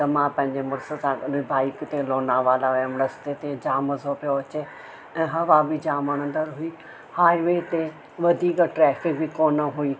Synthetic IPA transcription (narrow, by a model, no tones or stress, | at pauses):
t̪ɐmãːpɐ̃ɦɪ̃ɲd͡ʑemʊɾsəsãibaːɪkt̪ẽloːnaːʋaːlaəmnɐst̪et̪ẽd͡ʑaːmɐzopijoɐt͡ɕe | ɛ̃ːɦɐʋabid͡ʑaːməɽ̃ə̃nd̪əɾɦui | haːiʋeːt̪ẽ | ʋɐd̪ʱiːkʈɾɛːfɪkbikoːnəɦui